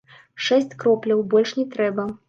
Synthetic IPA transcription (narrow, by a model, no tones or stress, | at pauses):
ʂɛsʲt͡sʲkɾɔplʲɐwbɔlʲʂnʲɛt̪ɾɛbɐ